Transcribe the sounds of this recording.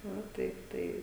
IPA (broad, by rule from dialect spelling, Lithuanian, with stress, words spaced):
ˈʋɐ ˈtɐɪp ˈtɐɪ